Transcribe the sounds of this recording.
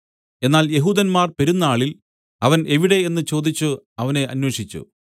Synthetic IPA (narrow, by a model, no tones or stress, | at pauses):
e̞nːaːlje̞ɦuːd̪ɐnmaːrpe̞ɾunːɐaːɭil | ɐʋɐne̞ʋiɽe̞enːɨt͡ɕo̞ːd̪it͡ɕːuɐʋɐne̞ʔɐ̰nweʂit͡ɕːṵ